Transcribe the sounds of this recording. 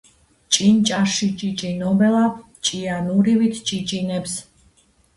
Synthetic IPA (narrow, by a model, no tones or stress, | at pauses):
t͡ʃʼint͡ʃʼaʃit͡ʃʼit͡ʃʼinɔbɛlab | t͡ʃʼianuɾivit̪ʰt͡ʃʼit͡ʃʼinɛps